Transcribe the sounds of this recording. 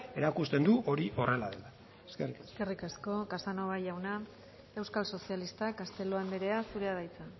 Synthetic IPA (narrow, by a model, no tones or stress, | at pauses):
e̞ɾakust̪e̞nd̪uʔo̞ɾiʔo̞re̞laðe̞̰la | eskerieskerikasko̞kasano̞βajʝawna | e̞wskalso̞sialist̪akast̪e̞lo̞andbeɾe̞asuɾe̞aðajt͡sa